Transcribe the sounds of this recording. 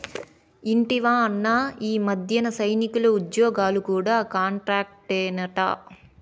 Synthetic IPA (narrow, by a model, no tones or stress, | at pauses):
iɳʈiʋaːɐnːaːiːmɐd̪ʱjɐnɐsɐjnikulɐud̪jɔːɡaːlukuːɽaːkaːɳʈɾaːk̚ʈɛːnɐʈɐ̰